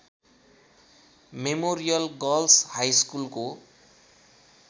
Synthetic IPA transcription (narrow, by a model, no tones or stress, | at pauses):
memoɾijʌlɡʌlshajskulko